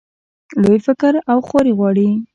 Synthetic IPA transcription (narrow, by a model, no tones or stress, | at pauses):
lojfɪkəɾawxoɾeɣwɑɽi